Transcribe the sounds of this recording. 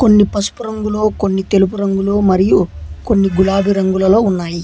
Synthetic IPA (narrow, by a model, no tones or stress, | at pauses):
ko̞nːipɐsu̥puɾɐŋɡuloːko̞nːit̪e̞lup̬uɾɐŋɡuloːmɐɾijuko̞nːiɡulaːbʱiɾɐŋɡulɐlo̞ːunːaːji